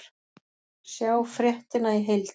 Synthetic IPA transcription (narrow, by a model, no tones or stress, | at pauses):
sjaːwfɾjɛht̪ɪnaiɦejlt̪